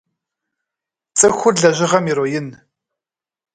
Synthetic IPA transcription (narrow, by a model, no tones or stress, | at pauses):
t͡sʼɨxʷʊrɮɐʑɪʁɐmjɪɾoːjɪn